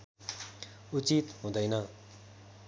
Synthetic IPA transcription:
ut͡ɕit̪ɦũd̪ʌjnʌ

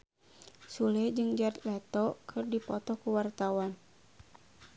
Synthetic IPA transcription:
sulɛd͡ʒɨŋd͡ʒat̪lɛt̪ɔkʰɨrdipɔt̪ɔkuwart̪awan

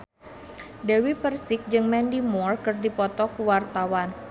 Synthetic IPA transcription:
dawipərsɪk̚d͡ʒɨŋmɛndimɔrkɨrdipɔt̪ɔkəwart̪awan

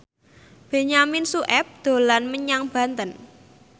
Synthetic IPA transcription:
b̥e̤ɲaminsuʔɛp̚d̪̥o̤lanməɲaŋb̥ä̤nt̪ən

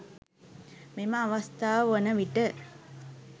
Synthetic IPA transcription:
meməaʋast̪aːʋəʋonəʋiʈə

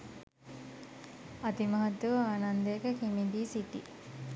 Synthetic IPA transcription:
ɐt̪imɐɦɐt̪ːuʋəaːnand̪əekəkimiɡiːsiʈi

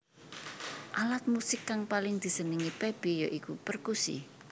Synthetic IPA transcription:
ʔalat̪̚musɪkːaŋpalɪŋd̪̥i̤səniŋipeb̥ejoʔikupərkusḭ

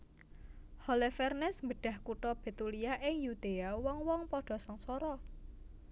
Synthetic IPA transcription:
hɔlefɛrnɛsmbəɖ̥a̤hkuʈɔb̥e̤t̪uliaʔɪŋjud̪̥eawɔŋwɔŋpɔɖ̥ɔ̤səŋsɔɾɔ

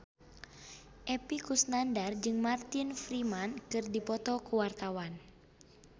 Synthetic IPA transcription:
ʔɛpikusnandard͡ʒɨŋmart̪infɾimankɨrdipɔt̪ɔkuwart̪awan

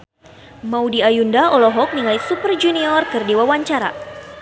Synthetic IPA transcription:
maudiajundaʔɔlɔɦɔk̚niŋajsupərd͡ʒuniɔrkɨrdiwawaɲt͡ʃaɾa̰

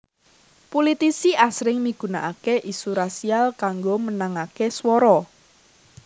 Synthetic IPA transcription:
polit̪isiʔasɾɪŋmiɡ̥ṳnaʔakeʔisuɾasialkaŋɡomənaŋakeswɔɾɔ

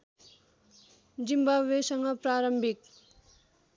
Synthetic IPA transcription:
d͡zimbabesʌŋɡʌpɾaːɾʌmbʱik̚

